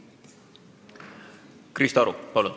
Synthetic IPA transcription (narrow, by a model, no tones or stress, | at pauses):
krist̪ɑɾupɑlun